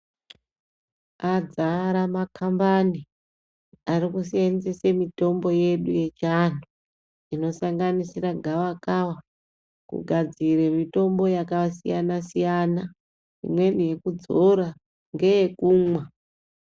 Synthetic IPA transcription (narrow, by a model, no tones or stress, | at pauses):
ad͡zaɾamakʰambani | arikusienzesemito̞mbo̞je̞ɗuje̞t͡ʃano | ino̞saŋɡanisiraɡʱawakawa | kṵɡʱad͡ziremito̞mbo̞jakasḭjanasijana | ḭmwe̞nije̞kud͡zo̞ɾa | ŋɡe̞jekuːmwa